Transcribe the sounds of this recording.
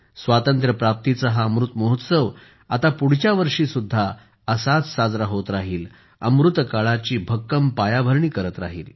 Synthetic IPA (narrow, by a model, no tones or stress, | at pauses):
sʋat̪ənt̪ɾəpɾap̚t̪it͡səɦaəmɾut̪mɔɦut̪səʋ | at̪apuɽ̤t͡ɕjaʋəɾʂiːsud̪ʱːa | əsat͡ssad͡zɾaɦot̪ɾaɦiːl | ə̰mɾut̪kaɭat͡ɕiːbʱəkːəmpajabʱəɾɳiːkəɾət̪ɾa̰ɦiːl